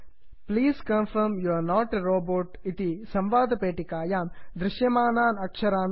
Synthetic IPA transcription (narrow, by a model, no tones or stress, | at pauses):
pliːskɐ̃nfɐɾmjuɐɾnɔːʈeɾoːboːʈit̪isɐ̃mʋaːd̪ʱɐpeːʈikaːjaːmd̪ɾɪʃjɐmaːnaːnɐkʂɐɾaːn